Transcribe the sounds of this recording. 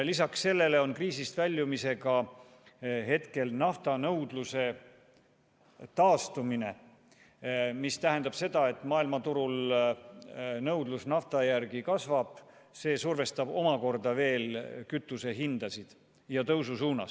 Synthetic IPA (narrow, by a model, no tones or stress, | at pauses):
lisɑksːe̞lːe̞le̞o̞nkriːsist̪vælʲːjumise̞ɡɑ | ɦe̞t̪ke̞lnɑft̪ɑnɤwd̪̥luse̞ | t̪ɑːst̪umine̞ | mist̪æɦe̞nd̪̥ɑb̥se̞d̪̥ɑe̞t̪ːˑmɑːilmɑt̪uɾul | nɤwd̪lusnɑft̪ɑjærɡ̥ikɑsvɑb̥ | se̞ːsurve̞st̪ɑb̥o̞mɑko̞rd̪ɑve̞ːlkyt̪ːˑuse̞ɦind̪̥ɑsid̪̥ | jɑt̪ɤwsusuːnɑ̰s